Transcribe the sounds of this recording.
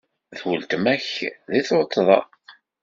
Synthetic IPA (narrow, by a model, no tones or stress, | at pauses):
ðwʊlt̪mæçðiθoʊt̪ˤːðˤɑ̰q